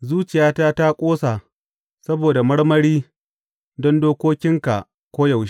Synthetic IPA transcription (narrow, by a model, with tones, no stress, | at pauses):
zuː˦t͡ʃɪ˨jaː˦taː˦ta˦kʷʼoː˦sa˨ | sɐ˦boː˨da˨mɐ˦ɽmɐ˦ɽiː˦ | dɔ˦ndoː˦kʷoː˦kʲɪ˦ŋka˨ʔ | kʷoː˦jɐ˨wʃ